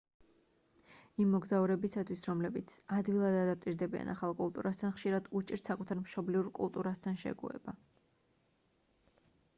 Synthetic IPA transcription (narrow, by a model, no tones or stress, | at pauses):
imːɔɡzauɾɛbisat̪ʰwisɾɔmlɛbit̪sʰad̪wilˠad̪ad̪apt̪ʼiɾd̪ɛbia̰naχalˠkʼulˠt̪ʼuɾast̪ʰanχʃiɾad̪ut͡ʃʼiɾt̪sakʼut̪ʰaɾmʃɔbliuɾkʼṵlˠt̪ʼuɾast̪ʰanʃɛ̰ɡṵɛ̰ba